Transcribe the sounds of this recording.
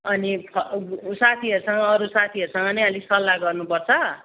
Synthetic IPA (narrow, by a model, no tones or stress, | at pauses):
ʌniʌsat̪ʰiʌɾusʌŋʌːɾusat̪ʰiʌɾusʌŋɡʌnʌʌlisʌlːaɡʌrnupʌrt͡sʰʌ